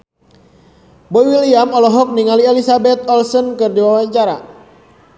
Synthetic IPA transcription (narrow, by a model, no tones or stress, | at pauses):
bɔiwiliamɔlɔɦɔk̚niŋaliɛlisabɛt̪̚ɔlsɔnkɨrdiwawaɲt͡ʃaɾa̰